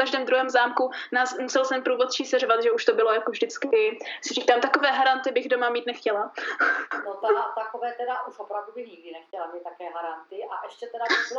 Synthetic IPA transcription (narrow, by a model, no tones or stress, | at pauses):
kaʒdɛːmd̪ɾuɦɛːmzaːmkunaːsmusɛlsɛnpɾuːvo̞t̪̚t͡ʃiːsɛrovat̪ʒɛuʃt̪o̞bɪlo̞jakovʒdɪt͡skɪsɪriːkaːmt̪akovɛːɦaɾant̪ɪbɪɣdomamiːt̪nɛxcɛla | not̪at̪akovɛːt̪ɛdaʔuʃopɾavdubɪxɲɪɡdɪnɛxcɛlamiːt̪t̪ːakɛːɦaɾant̪ɪʔaʔɛʃcɛt̪ɛdaɪl